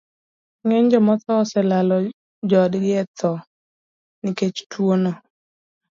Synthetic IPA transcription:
ŋeɲd͡ʒɔmɔt̪ɔsɛlalɔ | d͡ʒɔdɡɪɛt̪ʰɔ | nɪket͡ʃtwono

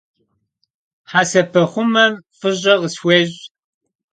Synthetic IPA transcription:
ħaːsɐpʰɐχʷʊmɐmfɨʑʼɐʁəsweːʑ

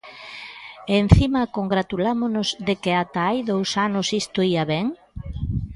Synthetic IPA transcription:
en̟θimɐkoŋɡɾat̪ulamonozðekeat̪aajðowsanʊsist̪oiaβɛŋ

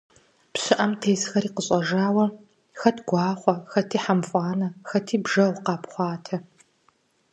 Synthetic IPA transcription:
pɕɨʔɐmtʰeːsxɐɾiːqəɕʼɐʒaːwɐ | xɐtʰɡʷɑːχʷɔxɐtʰiːħamfʼɑːnɐxɐtʰiːbʒɐʁʷqɑːpχʷɑːtʰɐ

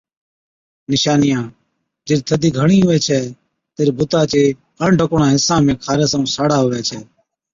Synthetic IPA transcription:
nɪʃaːnɪjãː | d͡ʒɪɾt̪ʰəd̪iːɡʱəɳĩːɦʊʋɛːt͡ʃʰɛː | t̪eːɾiːbʱʊt̪aːt͡ʃeː | əɳɖʱəkoːɳãːɦɪsãːmẽːkʰaːɾɛːsaũːsaːɽaːɦʊːʋɛːt͡ʃʰɛː

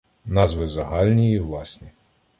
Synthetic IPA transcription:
nɑzʋɪzɐɦɑlʲnʲijiʋlˠɑsʲnʲi

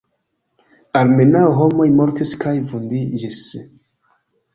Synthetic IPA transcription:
aɾmenawɦomo̞jmoɾtiskʰajvundid͡ʒis

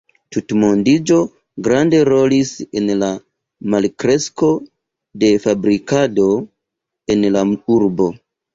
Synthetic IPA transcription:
tutmondid͡ʒo̞ | ɡɾande̞ɾo̞lisenla | malkɾe̞sko̞ | de̞fabɾikado̞ | e̞nlauɾbo̞

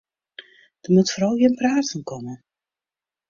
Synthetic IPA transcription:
d̥əmutfoɾɔlˠjɪnpraːtənkɔmə

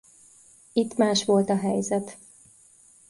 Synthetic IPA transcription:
it̪ːmaːʃʋo̞lt̪ɒɦɛjzɛt̪

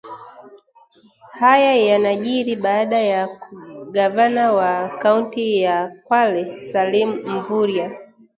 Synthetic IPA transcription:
hajajanaʄiɾiɓaːɗajakuɠavanawakauntijakwalɛsalimum̩vuɾja

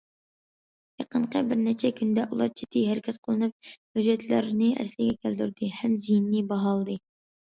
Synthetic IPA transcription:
jɑqəɴqʰəbɪɾnɛt͡ʃʰɛkʲʰynd̪ɛʔulˠɑ̰ɾt͡ʃʰe̥t̪ʰɪɦɛɾɪkʲʰɛt̪qʰəlˠɨnɨp̚hyd͡ʒɛt̪ʰlɪɾnɪʔɛ̰slɪɡʲɛkʲʰælt̪yɾd̪ɪhɛmzijnːibɑɦɑlˠd̪ɨ

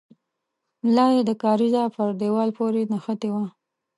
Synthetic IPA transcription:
lɑjed̪əkɑɾizɑpəɾɖewɑlpoɾenaxət̪ewa

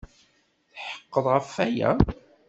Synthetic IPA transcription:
θħə̥qːəðˤʁəfæjæ̰

